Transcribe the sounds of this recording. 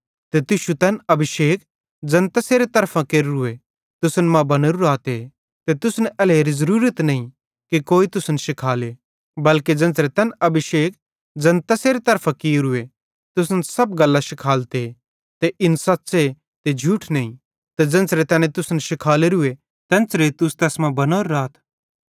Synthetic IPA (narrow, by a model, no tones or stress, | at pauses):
t̪et̪ɪʃut̪ɐnɐbʱɪʃeːk | d͡ʒɐ̃nt̪aseːɾet̪ɐɾpʰãkeːɾɾʊe | t̪ʊsənmãbɐneɾuɾaːt̪e | t̪et̪ʊsnɐleːɾizɐɾuːɾət̪nɐĩ | kikoːit̪ʊsnʃɪkʰaːle | bɐlked͡ʒɐ̃nt͡sɾet̪ɐnɐbʱɪʃeːk̚ | d͡ʒɐ̃nt̪ɐseːɾet̪ɐɾpʰãkɪɾʊe | t̪ʊsnsɐbɡɐlːaʃɪkʰaːlt̪e | t̪eʔɪnsɐtːse | t̪ed͡ʒʱuːʈʰnɐĩ | t̪ed͡ʒɐ̃nt͡sɾet̪ɛːnẽt̪ʊsnʃɪkʰaːleɾʊe | t̪ɛ̃nt͡ʃɾet̪ʊst̪ɛːsmãbɐnoːɾɾaːt̪ʰ